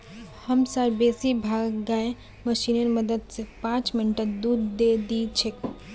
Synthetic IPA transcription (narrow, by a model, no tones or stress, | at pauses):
həmsəɾbesibʱaɡːae | məʃinənməd̪əd̪sẽpãt͡ʃminʈəd̪ud̪d̪ed̪it͡ʃʰek